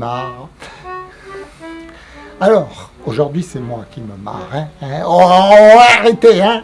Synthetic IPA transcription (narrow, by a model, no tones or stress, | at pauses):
maʁ | alɔːʁ | oʒuʁd̪ɥisɛmwakʲiməma̰ʁɛ̃ɛ̃ɔ̃vaʁet̪eɛ̃